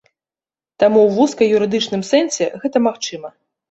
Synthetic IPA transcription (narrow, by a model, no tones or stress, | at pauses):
t̪amuwvuskɐjuɾɨd̪ɨt͡ʂn̪ɨmsɛnsʲɛ̰ɣɛt̪ɐmaxt͡ʂɨmɐ